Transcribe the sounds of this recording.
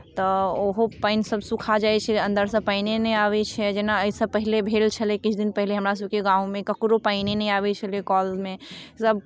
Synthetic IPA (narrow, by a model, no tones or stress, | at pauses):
t̪ɔoɦopaɪnsəbsukʰad͡ʒaɛt͡ʃʰɛə̃nd̪əɾsə̃paɪnenɛaβɛt͡ʃʰɛd͡ʒenaəisə̃pəɦilebʱelt͡ʃʰəlɛkit͡ʃʰd̪inpəɦileɦəmɾasəbkeɡãũmẽkəkɾopaɪnenɛjabɛt͡ʃʰəlekɔlmesəb